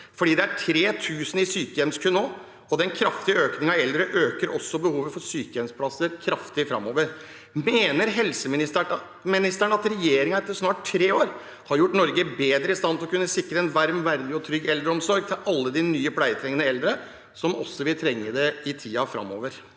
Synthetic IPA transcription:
fɔɖiːd̪ɛæʈʰɾeːt̪ʰʉːsən̩ɪsyːkəjɛmskʰʉnoː | ɔd̪ɛnkʰɾɑft̪ɪəøːknɪŋɑɛld̪ɾəʔøːkəɾʔɔsːɔbəhuːʋəfɔɾsyːkəjɛmspʰlɑsəɾkʰɾɑft̪ɪfɾɑ̰moːʋəɾ | meːnəɾɦɛlsəmɪnɪs | mɪnɪst̪æɳəɑt̪ɾɛjeːɾɪŋɑɛt̪ːəʂnɑːʈʰɾeːoːɾ | hɑɾjʊʈːnɔɾɡəbeːd̪ɾəɪst̪ɑnt̪ʰɪlɔkʉnːəsɪkːɾəɛnʋæɾmʋæɾd̪ɪɔt̪ʰɾʏɡːɛld̪ɾəɔmsɔɾɡ̚t̪ʰɪlʔɑlːəd̪ɪnyːəpʰlæɪət̪ʰɾɛŋːənəɛld̪ɾə | sɔmɔ̰sːɔʋɪlt̪ʰɾɛŋːəd̪ɛɪt̪ʰiːɑfɾɑ̰mːo̰ːʋəɾ

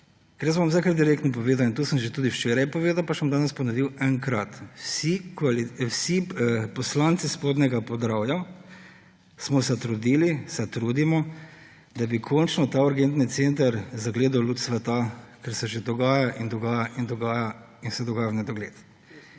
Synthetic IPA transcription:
kɛɾjəszbomwzajkaɾt̪d̪iɾeːkt̪nɔp̬ɔʋeːd̪awint̪uːsəmʒet̪uːd̪iwʃt͡ʃeːɾajpɔʋeːd̪awpasamd̪aːnɛspɔnɔʋiwɛŋkɾat̪sikisipɔslant̪sispod̪nɛɡapɔd̪ɾawja | smɔsɛt̪ɾud̪ilisɛt̪ɾud̪imɔ | d̪abikʰɔnt͡ʃnɔt̪aːuɾɡent̪nit̪sent̪ɐɾzaɡleːd̪awlut̪sʋɛt̪akɛɾsɛʒed̪ɔɡaːjaʔind̪ɔɡaːjaʔind̪ɔɡaːja | insɛd̪ɔɡaːjanɛd̪ɔɡleːt̪

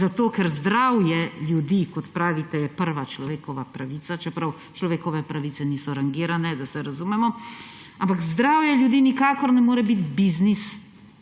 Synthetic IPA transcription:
zat̪oːkɛɾzd̪ɾawjɛljud̪ikɔt̪pɾaːʋit̪ɛjɛpəɾʋat͡ʃlɔʋeːkɔʋapɾaʋit̪sat͡ʃɛpɾaw | t͡ʃlɔʋeːkɔʋɛpɾaʋit̪sɛniːsɔɾaŋɡiːɾanɛd̪asɛɾazumɛmɔ | ampakzd̪ɾaːwjɛljud̪iːnikaːkɔɾnɛmoːɾɛbit̪biznis

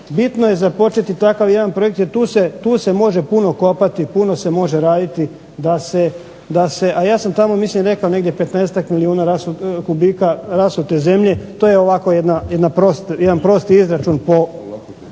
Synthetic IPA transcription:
bit̪noje̞zapo̞t͡ʃet̪it̪akaʋje̞d̪anpɾo̞je̞k̚t̪jeɾt̪uːse̞t̪uːse̞mo̞ʒe̞punoko̞pat̪ipuno̞se̞mo̞ʒe̞ɾaːd̪it̪i | d̪ase | d̪ase̞ʔajaːsamt̪amo̞mislimɾe̞kaone̞ɡd̪jepe̞t̪neːset̪akmiliuːnaɾasukubikaɾasut̪e̞ze̞mʎe̞t̪oːjeo̞ʋako̞jed̪najed̪napɾost̪jed̪anpɾo̞st̪iizɾat͡ʃunpo̞

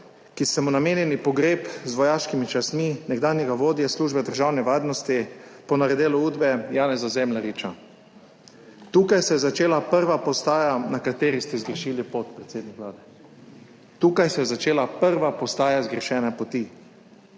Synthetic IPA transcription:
kisɛmɔnameːnjɛnipɔɡɾeːpzʋɔjaːʃkimit͡ʃasminɛɡd̪aːnjɛɡaʋoːd̪jasluːʒbɛd̪əɾʒaːwnɛʋaːɾnɔst̪ipɔnaɾɛd̪eːluuːd̪bɛjaːnɛzazɛmlaɾit͡ʃa | t̪uːkajsɛjɛzat͡ʃeːlapəɾʋapɔst̪aːjanakat̪eːɾist̪ɛzɡɾɛʃiːlipot̪pɾɛt̪seːd̪nikʋlaːd̪ɛ | t̪uːkajsɛjɛzat͡ʃeːlapəɾʋapɔst̪aːjazɡɾɛʃɛːnapɔt̪i

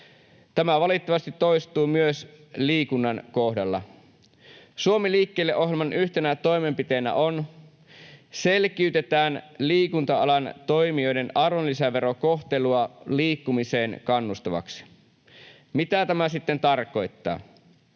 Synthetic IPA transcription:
t̪æmæʋɑlit̪ːɑʋɑst̪it̪ːo̞jst̪uːmyøs | liːkunːɑnko̞hdɑlːɑ̰ | suomiliːkːeːlːeʔo̞ɦjemɑnʔyçt̪e̞næt̪o̞jme̞mpit̪e̞næ̰ʔo̞n | se̞lk̟iyt̪e̞t̪æːnliːkunt̪ɑɑlɑnt̪o̞jmio̞jde̞nɑrʋonlːisæʋe̞ɾo̞ko̞xt̪e̞luɑliːkːumise̞ːnkɑnːust̪ɑʋɑ̰ksi̥ | mit̪æt̪æmæsit̪ːe̞nt̪ɑrko̞jt̪ːɑ̰ː

